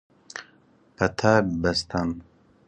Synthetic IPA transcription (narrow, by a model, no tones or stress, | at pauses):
pɐt̪ʰabɐst̪ʰan